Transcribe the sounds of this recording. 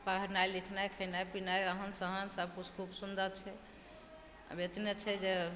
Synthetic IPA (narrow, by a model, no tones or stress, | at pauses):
pəɾəɾnajlikʰnajkʰəjnajpinajɾəɦənsəɦənsəb̚kut͡ʃʰkʰubsund̪ʱət͡ʃʰɛ | bet̪net͡ʃʰɛd͡ʒe